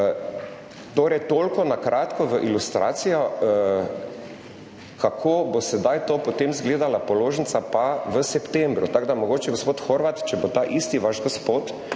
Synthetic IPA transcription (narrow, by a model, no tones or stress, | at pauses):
t̪oːɾɛjt̪oːlkɔnakɾʔaːt̪kɔʋəʔilust̪ɾa̰ːt̪sijɔ | kʰakʰoːbosɛd̪ajt̪oːpɔt̪emzɡleːd̪alapɔloːʒənt̪sapaʋəsɛpt̪ẽmbɾʊt̪aɡd̪amɔɡoːt͡ʃɛɡospoːt̪xoɾʋat̪t͡ʃɛbot̪aːʔist̪iʋaʒɡospoːt̪